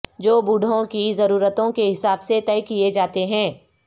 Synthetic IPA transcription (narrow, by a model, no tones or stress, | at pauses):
d͡ʒoːbuɖʱõkizɐɾuːɾət̪õkeɦɪsaːbset̪ɛːkied͡ʒaːt̪eɦɛ̃ː